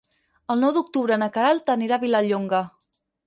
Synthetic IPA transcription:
əlˠnɔwðuk̚t̪uβɾəːnəkəɾalˠt̪əniɾaβiləʎoŋɡə

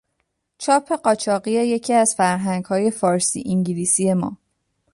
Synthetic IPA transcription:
t͡ʃʰɒːpʰːe̞ɢɒːt͡ʃʰɒːɢieje̞cʰiːæzfæɾɦæŋɡhɒːje̞fɒːɾsḭːʔiŋɟiliːsije̞mɒ̰ː

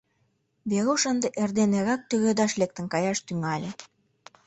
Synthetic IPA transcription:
βeɣuʃənd̪eʔerd̪eneɣɑk̚t̪øɣed̪ɑʃlek̚t̪ə̆nkɑjɑʃt̪yŋælʲĕ

